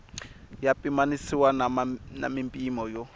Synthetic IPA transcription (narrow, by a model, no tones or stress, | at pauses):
japʼimanisiwanna̰mimpʼimɔjɔ